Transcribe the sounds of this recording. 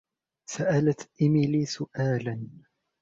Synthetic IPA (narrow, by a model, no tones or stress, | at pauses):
saʔalat̪ʔɪmɪliːsʊʔaːlan